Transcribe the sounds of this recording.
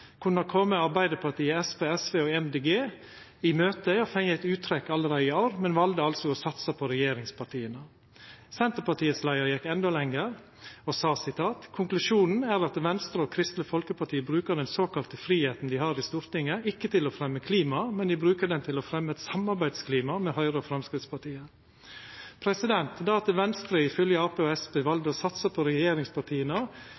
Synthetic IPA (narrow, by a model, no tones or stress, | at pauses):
kʰʉnːəɾkʰɔmːəɑɾbæɪd̪əpʰɑʈiːəɛspeːɛsʋeːɔːɛmd̪eːɡeː | ɪmøːt̪əɔfɛŋəæɪt̪ʉːt̪ʰɾɛkːɑlːəɾæɪɪɑɾmɛnʋɑld̪əɑlsɔɔsɑt̪sɑpʰɔɾɛjeːɾɪŋspʰɑʈʰiːənə | sɛnt̪əpɑʈiːəslæɪəɾjɛkːɛnd̪olɛŋːəɾ | ɔsɑːsɪt̪ʰɑːt̪kʰʊŋklʉʂuːnn̩æɾɑt̪ʋɛnst̪ɾəɔːkʰɾɪst̪ləfɔlkəpɑʈʰiːəbɾʉːkəɾɖ̪ɛnsoːkɑlt̪əfɾiːheːt̪n̩d̪ɪhɑːɾɪst̪uːɾt̪ɪŋːəʔɪkːət̪ʰɪlɔfɾɛmːəkʰliːmɑmɛnd̪ɪbɾʉːkəɖ̪ɛnt̪ʰɪlɔfɾɛmːəɛt̪sɑmɑɾbæɪd̪skʰliːmɑmɛːhœʏɾəfɾɑmskɾɪt̪spɑʈʰiːəɾ | pʰɾɛsɪd̪ɛnt̪d̪ɑɑt̪ʋɛnst̪ɾəɪfœljəɑːpeːɔɛspeːʋɑld̪əsɑt̪səpʰɔɾɛjeːɾɪŋspɑʈʰiːənə